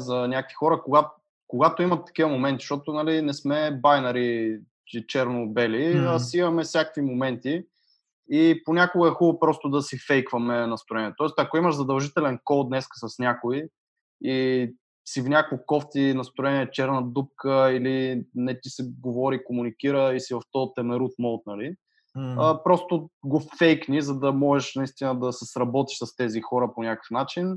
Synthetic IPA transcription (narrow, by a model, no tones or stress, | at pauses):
zɐnʲakəkvixɔɾəkoɡat̪ | koɡat̪oimɐt̪ːɐ̥kʲivɐmomɛnt̪i̥ʃt̪ɔt̪onɐlinɛsmɛbajnɐɾi | t͡ʃit͡ʃɛɾnobɛliɐsimɐmɛfsʲjakəkvimomɛnt̪i | iponʲakoɡəɛxubˠəpɾɔst̪ʊd̪ɐsifɛjkvɐmɛnɐst̪ɾʊɛniɛt̪ɔɛst̪ɐkoimɐʃzɐd̪ɐlˠʒit̪ɛlɛnkɔlˠd̪nɛskə̥sɐsnʲakʊi | i | sifnʲakvikɔft̪inɐst̪ɾʊɛniɛt͡ʃɛɾnəd̪up̚kəilinɛt̪isɛɡovɔɾikomunikiɾəisivɐft̪ɔt̪ɛmɛɾut̪mɔlˠt̪nɐli | əpɾɔst̪oɡofɛjknizɐd̪ɐmɔʒɛʃnɐist̪inəd̪ɐsəsɾɐbɔt̪i̥ʃsɐst̪ɛzixɔɾəponʲakə̥fnat͡ʃin